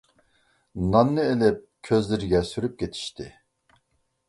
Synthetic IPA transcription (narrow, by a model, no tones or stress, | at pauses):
nɑnːɨelɪp̚kʲʰøzlɪɾɪɡʲɛsyɾyp̚kʲet̪ʰi̥ʃt̪ʰɪ